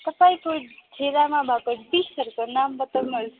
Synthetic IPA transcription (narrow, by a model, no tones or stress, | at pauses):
t̪ʌpaĩkoʈʰeɾamabʱakoʈbisʌɾkonambʌt̪əlmʌɾ